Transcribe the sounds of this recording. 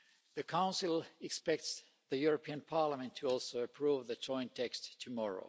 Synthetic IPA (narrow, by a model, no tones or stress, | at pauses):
ðɨkʰãʊ̃nsɨl̩ˠɨkspɛk̚ts | ðɨjuɹəpʰiɨ̃npʰɑɹləmɨ̃ntʰɨɔlˠsoʊɨpʰɹ̥uvðɨd͡ʒɔ̃ɪ̃ntʰɛkstʰːɨmɔɹo̰ʊ